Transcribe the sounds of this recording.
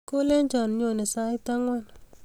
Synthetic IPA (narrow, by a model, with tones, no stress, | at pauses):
ko˦lɛ˦ɲd͡ʒɔ˨n˨ɲo˨nɛ˨sa˦ɪ˦ta˦ŋwɔ˦n